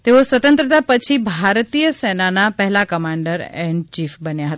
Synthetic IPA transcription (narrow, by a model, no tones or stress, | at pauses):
t̪eosʋət̪ə̃nt̪ɾət̪apət͡ʃʰibʱaɾt̪ijəsenanapəɦɛlakəmaɳɖəɾɛɳɖt͡ʃifbənjaɦət̪a